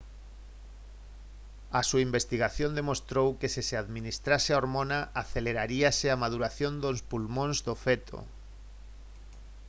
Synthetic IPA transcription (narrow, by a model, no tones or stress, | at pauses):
asuaimbest̪iɣaθjõnd̪emost̪ɾowkesiseaðminist̪ɾaseaoɾmõnaʔaθeleɾaɾiaseamaðuɾaθjond̪ospulmõnzðofɛt̪ʰo̰